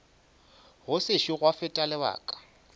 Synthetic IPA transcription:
ɣʊsɪʃiɣwafɪtʼalɪba̰ːkʼḁ

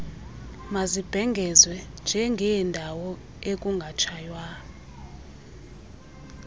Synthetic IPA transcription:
mazib̥ʱɛŋɡʱɛzwɛnd͡ʒʱɛŋɡʱɛjɛndʱawɔ | ekʼuŋɡʱat͡ʃʰajwa

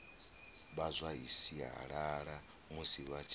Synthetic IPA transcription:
βazʷaɦisiɦa̰ɺaɺa | musiβat͡ʃʰ

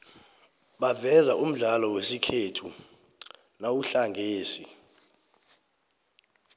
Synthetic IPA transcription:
ɓavɛzaʔum̩ɮalɔwesikʰetʰu | nawuɬaŋɡʱeːsi

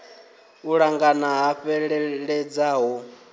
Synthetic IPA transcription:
uɺaŋɡanaɦaɸɛɺɛɺɛd͡zaɦɔ

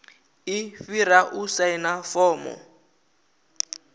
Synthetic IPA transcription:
ifiɾaʔusainafɔːmɔ̰

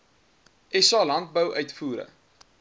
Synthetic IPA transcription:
ʔɛsɑːlɐnt̚bəwʔœɥtfuːɾə̰

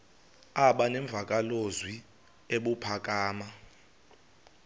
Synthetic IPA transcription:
aɓanɛɱb̪vʱak̬ʼalozwi | eɓupʰak̬ʼaːma

